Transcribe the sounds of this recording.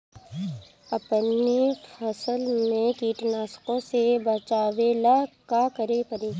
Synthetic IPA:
əpnefʰəsəlmẽkiːʈnaːskõsebət͡ʃaːwelakakəɾepəɾeː

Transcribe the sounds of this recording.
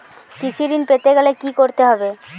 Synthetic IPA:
kit͡ɕʰid̪inpet̪eɡɛlekikoɾt̪eɦɔbe

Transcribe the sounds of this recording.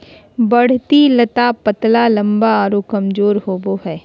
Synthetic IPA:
bɐɽ̤t̪ilɐt̪apɐt̪lalɐ̃mbaaːɾokɐmd͡ʒoːɾɦoːboɦɛː

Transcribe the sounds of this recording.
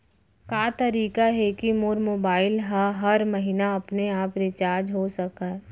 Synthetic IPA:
kaːt̪ɐɾiːkaɦɛkimoːɾmoːbaːɪlɦɐɦɐɾmɐɦinaɐpneaːpɾet͡ʃaːɾd͡ʒɦoːsɐkaɦɛ

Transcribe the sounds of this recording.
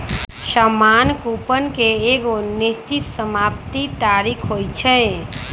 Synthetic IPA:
səmankupənkeeɡonist͡ʃit̪səmap̚t̪it̪aɾikʰɦojt͡ʃʰɛ

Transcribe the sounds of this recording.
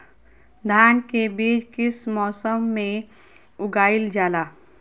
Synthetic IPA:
d̪ʱaːnkebeːd͡ʒkɪsmɔːsəmːẽ | ʊɡaːɪld͡ʒaːlaː

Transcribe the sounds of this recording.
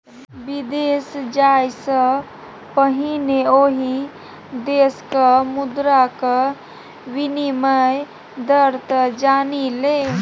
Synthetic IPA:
bid̪esd͡ʒajsə̃ | pəɦineoɦi | d̪eskəmud̪ɾakə | winiməj | d̪əɾt̪əd͡ʒanile

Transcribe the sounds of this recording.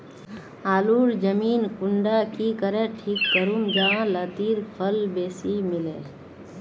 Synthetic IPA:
aːluːɾd͡ʒəmiːnkʊɳɖakikəɾəʈʰiːkːəɾumd͡ʒaãləd̪iːɾpʰəlbeːsimɪlḛː

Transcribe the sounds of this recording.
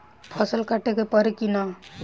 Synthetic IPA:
pʰʌsəlkaʈekepəɾekina

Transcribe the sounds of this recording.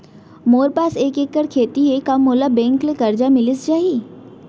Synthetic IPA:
moːɾpaːseːkeːkːəɾkʰeːt̪iɦekamːoːlabɛ̃ːŋklekɐɾd͡ʒamɪlɪsd͡ʒaːɦiː

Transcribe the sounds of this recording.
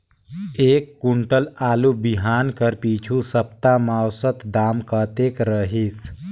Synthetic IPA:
eːkːuɳʈəlaːlubiɦaːnkəɾpit͡ʃʰusəp̚t̪amawsət̪d̪amkət̪ekɾəɦis

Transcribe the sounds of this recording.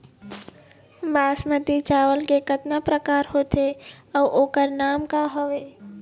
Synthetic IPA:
baːsmət̪it͡ʃaːʋəlkekət̪napɾəkaːɾhoːt̪eɔːʔoːkəɾnaːmkaɦoʋeː

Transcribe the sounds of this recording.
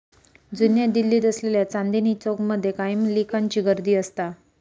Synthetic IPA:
d͡zunjed̪ilːiːt̪əsleljat͡sand̪init͡sokməd̪ʱːjekajimlikʰaɲt͡ɕiːɡəɾd̪iːəst̪a

